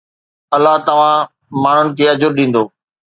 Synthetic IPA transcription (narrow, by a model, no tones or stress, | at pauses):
ɐlːaɦt̪ɐʋ̤ã | maːɳ̤ʊnɪ̆kʰeːɐd͡ʑʊɾɗĩːn̆d̪oː